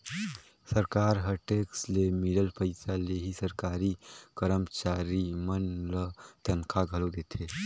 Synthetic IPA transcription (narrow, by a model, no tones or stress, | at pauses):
səɾkaːɾɦəɾʈeːkslemɪləlpəɪsaleɦisəɾkaːɾikəɾəmt͡ʃaːɾimənlət̪ɐnkʰaɡʱəlod̪eːt̪ʰe